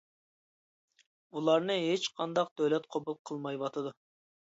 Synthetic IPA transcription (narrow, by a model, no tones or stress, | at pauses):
ulˠɑɾnɨɦet͡ʃqʰɑnd̪ɑq̚d̪̥øwlɛt̪̚qʰobulˠqʰəlˠmɑjbɑt̪ʰɨd̪u